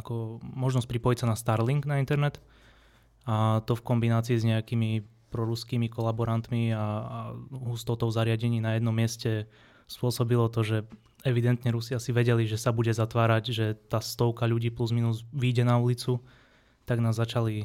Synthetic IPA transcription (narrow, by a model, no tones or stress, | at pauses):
akɔmɔʒnɔsc̚pɾipɔjisanast̪aɾliŋɡnaint̪ɛɾnɛt̪ | at̪ɔfkɔmbinaːt͡siːzɲɛakimi | pɾɔɾuskiːmikɔlabɔɾant̪mia | ɦust̪ɔt̪ɔʊzaɾɪaɟɛɲiːnajɛd̪nɔmːɪɛscɛ | spʊɔsɔbilɔt̪ɔʒɛ | ɛʋid̪ɛnt̪ɲɛɾusiasiʋɛɟɛliʒɛsabuɟɛzat̪ʋaːɾaɟʒɛt̪aːst̪ɔʊkaʎuɟiːpluzminuzʋiɟɛnaulit͡su | t̪aɡnaːzzːat͡ʃali